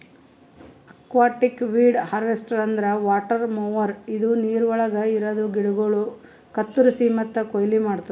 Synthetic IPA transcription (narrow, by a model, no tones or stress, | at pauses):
ɐkʋaːʈikʋiːɖhɐɾʋesʈɐɾɐnd̪ɐɾɐʋaːʈɐɾmoʋɐɾid̪uniːɾuʋɐɭɐɡɐiɾɐd̪uɡiɽuɡɐɭu | kɐt̪ːuɾusimɐt̪ːɐkojɐlimaːɽt̪ɐ